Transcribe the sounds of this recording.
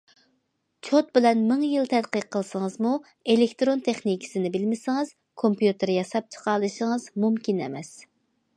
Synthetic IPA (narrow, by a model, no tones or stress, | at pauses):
t͡ʃʰot̪̚bɪlɛnmɪŋjɨlˠt̪ʰɛd̪qəqʰːəlˠsɨŋɨzmu | elɪkʲt̪ɾont̪ʰeχnikʲʰi̥sɪnɪbɪlmɪsɪŋɨz̥ | kʰompjut̪ɨɾjɑsɑp̚t͡ʃʰə̥qʰɑlˠɨʃɪŋɨzmumkʲinɛ̰mɛs